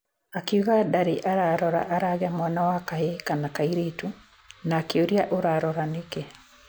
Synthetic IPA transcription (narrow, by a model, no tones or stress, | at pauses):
akiuɣadaɾeʔaɾaɾɔɾa̰ʔaɾaɣamwanawakaekanakaiɾeːtu | naːkeoɾiaʔoɾaɾɔɾaneke